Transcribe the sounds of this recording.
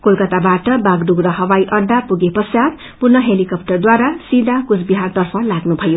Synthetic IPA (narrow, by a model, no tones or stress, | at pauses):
kolkʌt̪abaʈʌbaɡduɡɾʌɦʌwajʔʌd̪apuɡepʌsjad̪ | purnʌɦelikʌp̚ʈʌrd̪waɾasid̪akut͡sbiɦart̪ʌrpʰʌlaɡnubʱʌjo